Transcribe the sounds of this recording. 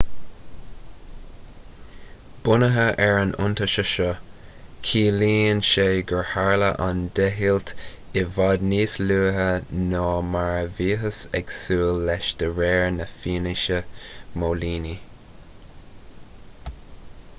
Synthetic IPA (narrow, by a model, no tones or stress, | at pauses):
b̥ʊnəɦəʔɛɹanʔʊ̰nt̪əʃəʃɔ | kʰiːliːnʃeːɡəɹhaɹləʔand̪ɛɦilt | ɪvɑd̪niːsluːɦənɔːmaɹəviːɦəsɛ̰ɡ̥suːlːɛʃd̥̪əɹɛːɹnəfiːnɪʃəmoːliːni